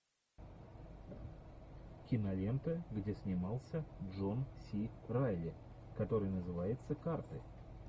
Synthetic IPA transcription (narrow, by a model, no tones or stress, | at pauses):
kʲɪnɐlʲe̞nt̪əɡdʲe̞sʲnʲɪmɑlˠsʲəʐo̞nsʲirajlʲɪ | kɐt̪o̞ɾɨjnəzɨvajɪt̪səkart̪ɨ